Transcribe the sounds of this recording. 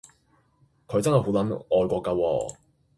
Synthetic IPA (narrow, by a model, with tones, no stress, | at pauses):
kʰɵ˨˧ɥjt͡sɐ˥nɦɐ˨jɦo˨˥wlɐ˨˦nɔː˧jkʷɔː˧kːɐ˧wɔ̰ː˧